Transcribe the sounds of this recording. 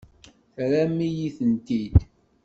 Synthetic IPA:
θɾæmːijiθənt̪id̪

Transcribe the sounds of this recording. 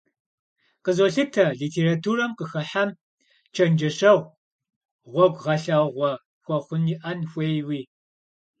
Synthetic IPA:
qəzoɬɨtʰɐɮiːtʰeːratʰuːrɐmqəxɐħam | t͡ʃʰɐnd͡ʒɐɕɐʁʷ | ʁʷɔɡʷʁɐɬɐʁʷɔ | xʷɔχʷʊniːʔɐnxʷeːjwiː

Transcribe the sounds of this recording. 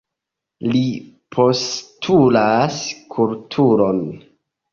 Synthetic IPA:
li | pʰo̞stʰulaskʰultʰuɾon

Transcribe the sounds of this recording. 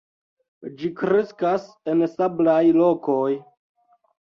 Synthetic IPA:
d͡ʒikɾeskas | ensablajlo̞ko̞j

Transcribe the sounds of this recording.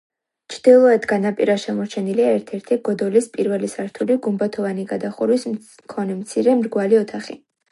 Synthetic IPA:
t͡ʃʰɾd̪̥ilˠɔɛd̪ɡanapʼiɾaʃɛmɔɾt͡ʃʰɛniliaɛɾt̪ʰɛɾt̪ʰiɡ̥ɔd̪ɔlispʼiɾvɛlisaɾt̪ʰuliɡumbat̪ʰɔvaniɡad̪aχuɾwis | kʰɔnɛmt̪sʰiɾɛmɾɡwaliɔt̪ʰaχḭ

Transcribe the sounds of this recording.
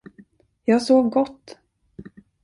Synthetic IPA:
jɑːɡsoːvɡɔt̪ː

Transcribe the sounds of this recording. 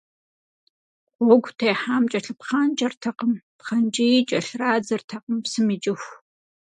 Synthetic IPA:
χʷɔɡʷtʰeːħaːmt͡ʃʼɐɬɨpχaːnt͡ʃʼɐrtʰɐqəmpχɐnt͡ʃʼijit͡ʃʼɐɬraːd͡zɨrtʰɐqəmpsɨmit͡ʃʼɪxʷ

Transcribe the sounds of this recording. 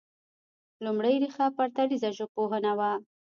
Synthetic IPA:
lʊmɽajɾixapaɾt̪aɽizaʒopoɦənawa

